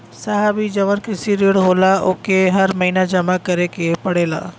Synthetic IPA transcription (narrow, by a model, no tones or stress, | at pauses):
saɦabid͡ʒɐʋənkɪsiɾeːɽɦoːlaʔʊkeɦɐɾmɐɦiːnad͡ʒɐmakɐɾekepɐɽeːla̰ː